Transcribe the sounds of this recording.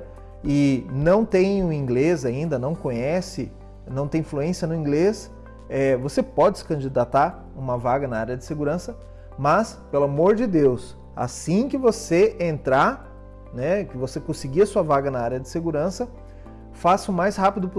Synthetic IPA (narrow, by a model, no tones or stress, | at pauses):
ɪnɐ̃w̃t̪ẽj̃ʊĩŋɡlezaĩnd̪ɐnɐ̃w̃kõɲɛsɪ | nɐ̃w̃t̪ẽj̃fluẽsiɐnʊĩŋɡles | ɛvosepɔd͡ʒɪsɪ̥kɐ̃nd͡ʒid̪at̪aɾ | ũmɐvaɡɐnaaɾjɐd͡ʒɪseɡuɾɐ̃sɐ | mɐs | pelʊamoɾd͡ʒɪd̪ews | a̰sĩkɪvoseẽnt̪ɾa | nɛkɪvosekõsɪɡiɐsuɐvaɡɐnɐaɾjɐd͡ʒɪseɡuɾɐ̃sɐ | fasʊmajshapid̪ʊp